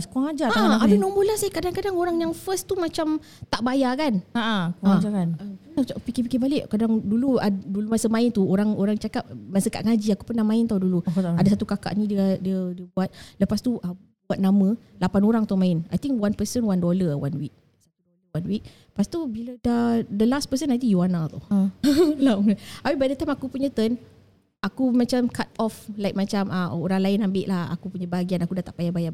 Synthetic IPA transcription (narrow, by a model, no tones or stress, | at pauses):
skuaŋad͡ʒataabənɔmbolansakadaŋkadaŋoɾaŋjaŋfəst̪umat͡ʃam | t̪aʔbajakanaʔakad͡ʒakanəənaapikipikibalɪʔkadaŋduluadulumasəmãɪnt̪uoɾaŋoɾaŋt͡ʃakap̚məsəka̰ʔŋad͡ʒiakupənahmãɪnt̪awduluk̪adasat̪ukaka̰ʔnĩdiədiədiəbuat̪̚ləpast̪uʔə | buat̪̚namə̃lapanoɾaŋt̪amãɪnajt̪iŋkwanpəsənwandoləwanwik̚ | sa | wanwik̚ | past̪ubilədadəlaspəsənajt̪̬ijuanat̪a | laapibadat̪aamakupuɲə̃t̪ən | akumat͡ʃamkat̪̚ɔflajk̚mat͡ʃamʔəoɾaŋlaɪnambɪʔlaha̰kupuɲãbaɡianakudat̪aʔpajabaja